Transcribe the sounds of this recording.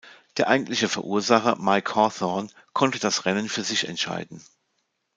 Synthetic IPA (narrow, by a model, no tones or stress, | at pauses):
d̥eːɐʔaɪɡŋ̩tlɪçəfɛɐʔuːɐzaχɐ̰maɪkʰɔθɔn | kʰɔntəd̥asʁɛnənfyːɐzɪçɛ̰ntʃa̰ɪdn̩